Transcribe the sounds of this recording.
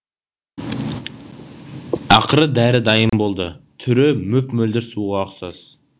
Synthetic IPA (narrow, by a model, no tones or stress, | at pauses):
ɑqəɾəd̪æɾɪd̪ɑjəmbo̞lˠd̪ət̪ʰʏɾɪmɵpmɵld̪ɪɾsuʁɑːqsɑs